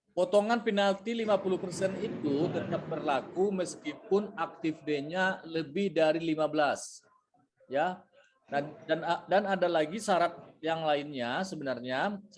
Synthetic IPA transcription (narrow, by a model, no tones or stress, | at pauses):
pot̪oŋanpinalt̪ilimapuluhpərsɛnit̪ut̪ət̪ap̚bərlakuməskipʊnak̚t̪ɪfdeɲaləbɪhdaɾilimabəlas | ja | dadandanadalaɡisaɾat̪̚jaŋlaɪnɲasəbənarɲa